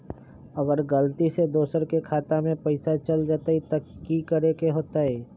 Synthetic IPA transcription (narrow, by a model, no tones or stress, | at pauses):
əɡəɾɡəlt̪ised̪oːsəɾkekʰaːt̪amẽpəɪsat͡ʃəld͡ʒaːt̪ait̪akikəɾekeɦoːt̪aɦɛː